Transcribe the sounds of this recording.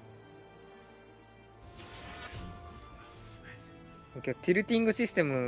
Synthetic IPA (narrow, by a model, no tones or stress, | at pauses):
mokʲoat̪iɾɯ̟t̪ʲĩŋɡɯ̟ɕisɨ̥t̪e̞mɯ